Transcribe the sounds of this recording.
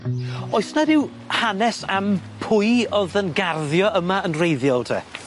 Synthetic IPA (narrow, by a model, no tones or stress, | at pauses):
ɔɨsnadɪw | hanɛsampʰʊɨɔðənɡarðjɔəmaənrejðjɔlˠtʰḛː